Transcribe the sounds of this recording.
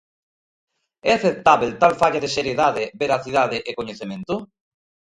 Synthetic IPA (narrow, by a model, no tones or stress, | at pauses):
ɛaθet̪aβelt̪alfaʎaðeseɾjeðaðɪbeɾaθiðaðɪʔekoɲeθemẽnt̪ʊ